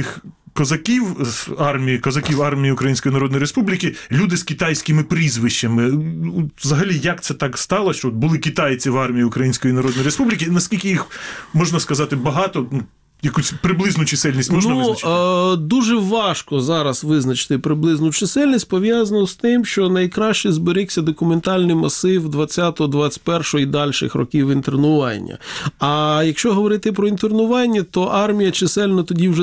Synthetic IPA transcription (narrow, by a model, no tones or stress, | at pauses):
t̪ɪxkɔzɐkʲiwɑrmʲijikɔzɐkʲiwɑrmʲijiʊkɾɐjinʲsʲkɔjinɐɾɔd̪njiɾespublʲikʲɪlʲud̪ɪskʲɪt̪ɑjsʲkɪmɪpɾʲizʋɪʃt͡ʃɐmɪ | ʋzɐɦɐlʲijɐkt̪sɛt̪ɑkst̪ɑlˠɐʃt͡ʃɔɔt̪̚bʊlˠɪkʲit̪ɑjt͡sʲiʋɑrmʲijiʊkɾɐjinʲsʲkɔjinɐɾɔd̪jiɾespublʲikʲɪnɐskʲilʲkɪjixmɔʒnɐskɐzɑt̪ɪbɐɦɑt̪ɔnu | jɐkusʲpɾɪblˠɪznʊt͡ʃɪsɪlʲnʲisʲtʲmɔʒnnɐʋuzɐɐd̪uʒɛʋɑʃkɔzɑɾɐsʋɪznɐt͡ʃɪ̥t̪ɪpɾɪblˠɪznʊt͡ʃɪsɛlʲnʲisʲtʲpɔʋʲjɑzɐnɔst̪ɪmʃt͡ʃɔnɐjkɾɑʃt͡ʃɪzbɪɾɪksʲɐd̪ɔkʊment̪ɑlʲnɪjmɐsɪwd̪ʋɐt͡sʲːat̪ɔɦɔd̪ʋɑt͡sʲɪ̥t̚ʲpɛrʃɔɦɔid̪ɑlʲʃɪ̰xrɔ̰kʲiwint̪eɾnʊʋɑ̰nʲːɐ̰ɐjɐkʃt͡ʃɔɦɔʋɔɾɪt̪ɪpɾɔint̪ernʊʋɑnʲːɐt̪ɔʔɑrmʲijɐt͡ʃɪsɛlʲnɐt̪ɔdʲiwʒɛ